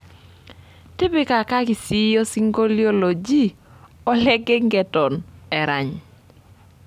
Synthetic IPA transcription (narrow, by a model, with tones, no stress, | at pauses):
tɪ˦bɪ˦ka˨ka˦ki˨si˦jo˦si˦ŋɡo˦ljo˦lo˨d͡ʒi˦ | ɔ˦lɛ˦ɡe˦ŋɡɛ˨tɔ˨nɛ˨ɾa̰˨ɲ